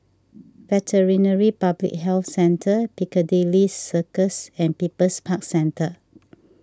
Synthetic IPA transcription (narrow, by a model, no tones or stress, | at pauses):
vɛtʰəɹĩnəɹipablḭk̚hɛlθsɛ̃ntʰəpikədelisəkəsɛ̃npipəspʰak̚sɛ̃ntʰə